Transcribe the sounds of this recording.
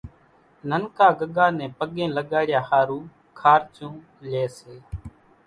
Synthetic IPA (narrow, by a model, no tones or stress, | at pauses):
nənkaːɡəɠaːnɛ̃ːpəɠẽːləɠaːɽɪjaːhaːɾuː | kʰaːɾt͡ʃũː | leːseː